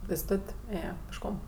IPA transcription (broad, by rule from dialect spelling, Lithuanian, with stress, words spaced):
pʲeːsˈtoːtʲ ˈeːjeː pʲeːʃˈkoːm